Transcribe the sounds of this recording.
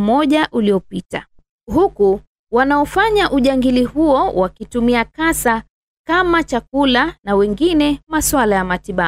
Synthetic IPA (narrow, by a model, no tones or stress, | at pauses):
mɔʄaʔuliɔpita | huku | wanaɔfaɲaʔuʄaŋɡilihuɔwakitumiakasa | kamat͡ʃakulanawɛŋɡinɛmaswalajamatiɓa